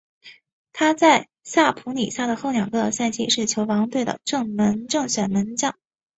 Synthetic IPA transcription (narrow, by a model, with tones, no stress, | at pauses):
t̪ʰa˥t͡sa˥˧ɪ | sa˥˩pʰu˧˥ni˨˩sa˥˩d̪ə˩xo˥˩ʊnjɑ˨˩ŋkɤ˧˥˧sa˥˧nt͡ɕi˥ʂɻ̩˥˩t͡ɕʰjo˧˥ʊwɑ˧˥ŋt̪we˥˩ɪd̪ə̰˩ʈ͡ʂɤ˥˩ŋmə˧˥nʈ͡ʂɤ˥˩ŋɕɥɛ˨˩nmə˧˥nt͡ɕjɑ˥˩˦ŋ